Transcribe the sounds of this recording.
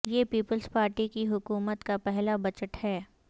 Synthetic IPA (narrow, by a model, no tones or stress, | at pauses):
jeːpiːpəlspaːɾʈikiɦʊkuːmət̪kapɛɦlabɐt͡ʃəʈhɛː